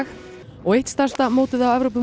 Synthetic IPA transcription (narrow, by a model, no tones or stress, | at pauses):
x | ɔɣejht̪st̪arst̪amoːwt̪ɪðawɛvɾowp̬ʏ